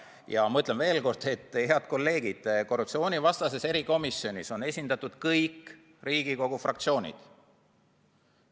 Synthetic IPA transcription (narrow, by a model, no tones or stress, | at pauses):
jɑmɤt̪lenve̞ːlko̞rd̪̥et̪ːheɑd̪̥̚ko̞lːe̞ːɡ̥id̪̥ko̞rːup̪̚sio̞ːnʲivɑst̪ɑse̞se̞ɾiko̞misːio̞nʲiso̞ne̞sʲind̪̥ɑt̪ːˑud̪̥kɤjkː | riːɡiko̞ɡ̥ufrɑkt̪sio̞ːnʲḭd̪̥